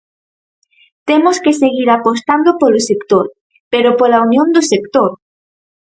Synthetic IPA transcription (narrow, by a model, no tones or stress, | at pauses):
t̪emoskeseɣiɾapost̪and̪opolosekt̪oɾ | peɾopolaunjõnd̪osekt̪oɾ